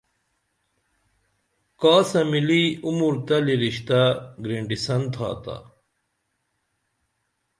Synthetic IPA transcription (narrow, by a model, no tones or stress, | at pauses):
kaːsɐmiliumuɾt̪ɐliɾiɕt̪aɡɾeɳɖisɐnt̪ʰa̰ːt̪a̰